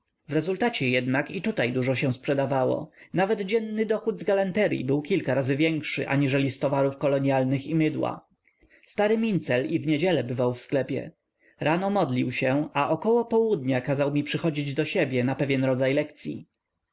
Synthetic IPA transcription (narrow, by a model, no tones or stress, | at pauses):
vɾɛzult̪at͡ɕɛjɛd̪nakit̪ut̪ajd̪uʐɔɕɛ̃w̃spʂɛd̪avawɔ̰navɛd̪d͡ʑɛnːɘd̪ɔxud̪zɡalant̪ɛɾjḭbɘwkʲilkaɾazɘvʲjɛŋkʂɘ̰ʔa̰ɲiʐɛlʲist̪ɔvaɾufkɔlɔɲjalnɘximɘd̪wa̰ | st̪aɾɘmʲint̪sɛlivɲed͡ʑɛlɛbɘvawfsklɛpʲjɛ̰ | ɾʔanɔmɔd̪lʲiwɕɛaʔɔkɔwɔpɔwud̪ɲakazawmʲipʂɘxɔd͡ʑid͡ʑd̪ɔɕebʲjɛnapɛvʲjɛnɾɔd̪zajlɛkt̪sʲjḭ